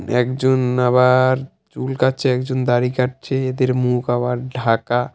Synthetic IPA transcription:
ɛkd͡ʒonabaɾ | t͡ʃulkatːt͡ʃʰeɛkd͡ʒond̪aɾikaʈt͡ʃʰeed̪eɾmukabaɾɖʱaka

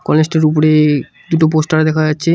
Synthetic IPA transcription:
kɔlesʈeɾupoɾe | d̪uʈop̬osʈaɾad̪ɛkʰad͡ʑatːɕʰe

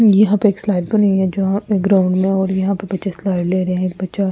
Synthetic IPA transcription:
jɐɦãpeeːkslaːɪɖ̚bɐniɦɛd͡ʒoːãekɡɾãːʊ̃ɳɖmẽɔːɾjɐɦãpebɐtːʃeslaːɪɖleːɾɐɦẽeːk̚bɐtːʃa

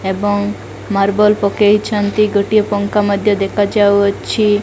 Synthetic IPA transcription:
eboŋ | maɾbolpokejt͡ʃʰant̪iɡoʈijopɔŋkamɔd̪ʱjod̪ekʰad͡ʒawt͡ʃʰi

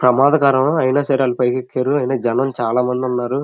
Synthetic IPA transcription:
pɾɐmaːd̪ɐkaːɾɐmɐjnaːsɐːɾɐːlɐpɐjkekːaːɾuɐjnaːd͡ʒɛnɐmt͡ʃaːlaːmɐnd̪iunːaːɾu

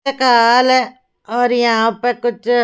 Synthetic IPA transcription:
ekaːlɦɛ | ɔːɾjɐɦãpekʊt͡ʃʰ

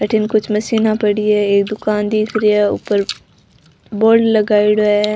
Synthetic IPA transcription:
ɐʈʰɪnkʊt͡ʃʰmɐsiːnapɐɽiɛeːk̚d̪ʊkaːnd̪iːkʰɾiɛʊ̰ːpəɾ | boːɾɖlɐɡaːiɽɐ

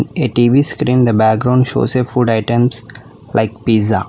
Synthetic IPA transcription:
neʈiːʋiːskɾĩːmd̪əbæk̚ɡɾãʊ̃ɳɖʃo̰ːsefuɖaɪʈə̃ms | lʔa̰ɪk̚piːza̰

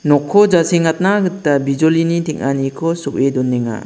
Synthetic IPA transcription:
nɔkʰːɔd͡ʒasiŋat̚naɡɯtabid͡ʒɔlinitʰiŋanikʰɔsupedɔnːeŋa̰

